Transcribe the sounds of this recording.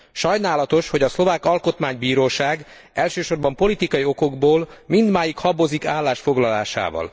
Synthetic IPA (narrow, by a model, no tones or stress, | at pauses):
ʃɒjnaːlɒt̪o̞ʃho̞ɟɒslo̞vaːkɒlko̞t̪maːɲbiːɾoːʃaːɡ | ɛlʃøːʃo̞rbɒmpo̞lit̪ikɒjio̞ko̞ɡboːlmind̪maːjikhɒbozikaːlːaːʃfo̞ɡlɒla̰ːʃa̰ːvɒ̰l